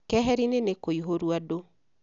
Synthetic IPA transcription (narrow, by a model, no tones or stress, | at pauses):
kɛɦɛɾinenekoiɦoɾwado